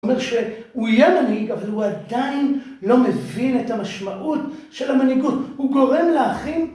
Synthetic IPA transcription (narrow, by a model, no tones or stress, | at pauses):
meʁʃe̞uijemanhiɡavalhuadain | lo̞me̞vine̞tamaʃmaʔutʃe̞lamaniɡuthuɡo̞ʁe̞mleaχin